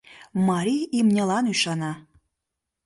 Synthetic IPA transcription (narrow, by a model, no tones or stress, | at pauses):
mɑɾʲiimnʲelˠɑnuʃɑnɑ